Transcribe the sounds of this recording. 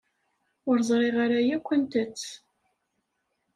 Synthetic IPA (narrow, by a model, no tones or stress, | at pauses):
ʊɾzˤɾˤeʁaɾajækʷːənt̪ət͡sː